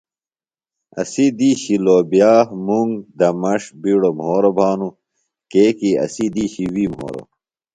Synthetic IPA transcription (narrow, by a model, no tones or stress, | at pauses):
ɐ̰sid̪iːɕiloːbijaːmuŋɡd̪ɐmɐʂbiːɽomɦoːɾobʱaːnu | keːkiɐ̰sid̪iːɕiwiːmɦo̰ːɾo̰